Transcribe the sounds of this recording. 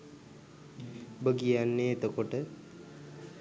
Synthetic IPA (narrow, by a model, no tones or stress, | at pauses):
bəɡijanːeːt̪əkoʈə